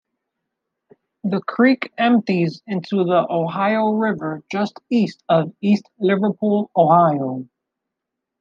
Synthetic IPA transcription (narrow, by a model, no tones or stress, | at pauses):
ðɨkʰɹ̥ikɛ̃mp̚tizɪ̃ntʰuðiʔoʊɦaɪoʊɹɪvə˞d͡ʒʌstistʌvistlɪvə˞pʰulˠoʊhaɪoʊ